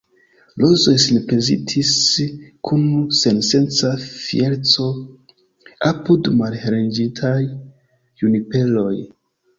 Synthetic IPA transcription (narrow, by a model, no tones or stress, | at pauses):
lozo̞jsinpɾezḭtʰiskʰunse̞nse̞nt͡safḭeɾt͡so̞ | apudmalɾend͡ʒitʰaj | unipe̞lo̞j